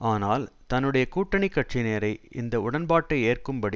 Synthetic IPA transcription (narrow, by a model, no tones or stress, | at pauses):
aːnaːlt̪ɐnːɯɽɐjɐkuːʈːɐɳɪkːɐʈ̚t͡ʃineːɾɐɪɪ̰nd̪ɐʊɽɐnbaːʈːɐɪeːrkɯmbɐɽi